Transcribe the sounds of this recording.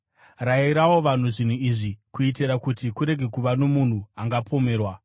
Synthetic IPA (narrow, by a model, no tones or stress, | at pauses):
raiɾawoʋan̤uʐin̤uiʐikuitiɾakutikuɾe̞ɡʱekuʋano̞mun̤uaŋɡapʰo̞me̞ːrwa